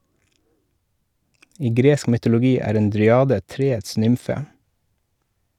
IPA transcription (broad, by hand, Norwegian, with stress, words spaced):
ˈiː ˈɡɾeːsk mʏtʊlʊˈɡiː ˈæːɾ ˈeːn dɾʏˈɑːdə ˈtɾeːəts ˈnʏmfə